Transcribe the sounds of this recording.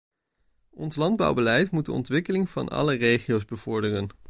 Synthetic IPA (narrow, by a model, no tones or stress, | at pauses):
ɔnslɑnd̚bɑ̰wbəlɛjtmudəɔ̰ntʋɪkəlɪŋv̥ɑ̰nʔɑ̰lərejχiowzbəv̥ʊɹdərən